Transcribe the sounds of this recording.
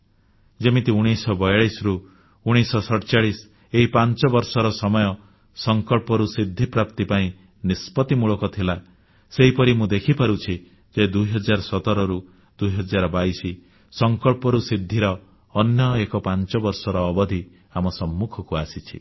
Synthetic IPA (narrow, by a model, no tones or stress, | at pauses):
d͡ʒemit̪iuɽ̃isɔbɔjaɭisɾu | uɽ̃isɔsɔʈt͡ʃaɭis | eɦipant͡ʃɔbɔɾsɔɾɔsɔmɔjɔ | sɔŋkɔɭpɔɾusid̪ʱːipɾapt̪ipaĩ | nispɔt̪imuɭɔkɔt̪ʰila | seɦipɔɾimũd̪ekʰipaɾut͡ʃʰi | d͡ʒed̪ujɦɔd͡ʒaɾɔsɔt̪ɔɾɔɾu | d̪ujɦɔd͡ʒaɾɔbaisi | sɔŋkɔɭpɔɾusid̪ʱːiɾɔː | njɔekɔpant͡ʃɔbɔɾsɔɾɔːbɔd̪ʱi | amɔsɔmːukʰɔkuasit͡ʃʰḭ